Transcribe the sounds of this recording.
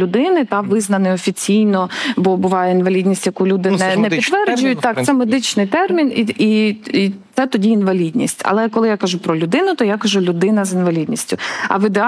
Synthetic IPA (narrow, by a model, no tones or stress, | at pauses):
ʊd̪ɪnɪt̪ɑʋɪznɐnɪɔfʲit͡sʲijnɔbɔbʊʋɑjɛinʋɐlʲidʲnʲisʲtʲjɐkulʲud̪ɪnɛnɛpit̪ːʋɛrd͡ʒʊjʊt̚ʲt̪ɑk̚t̪sɛmed̪ɪt͡ʃnɪjt̪ɛrmʲiniiit̪sɛt̪ɔdʲiːnʋɐlʲidʲnʲḭsʲtʲɐ̰lˠɛkɔlˠɪjakɐʒupɾɔlʲʊd̪ɪnʊt̪ɔjakɐʒulʲʊd̪ɪnɐzinʋɐlʲid̪ʲnʲisʲtʲʊɐ̰ʋid̪e